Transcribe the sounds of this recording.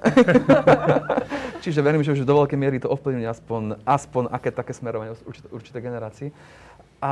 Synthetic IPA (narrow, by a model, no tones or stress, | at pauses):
t͡ʃiʒɛʋɛɾimʒɛuʒd̪ɔʋɛlkɛjmɪɛɾit̪ɔɔfpliʊɲɛaspɔɲʔaspɔɲakɛːt̪akɛːsmɛɾɔʋaɲɛuɾt͡ʃi̥t̪uɾt͡ʃit̪ɛjɡɛnɛɾaːt͡siː | ʔa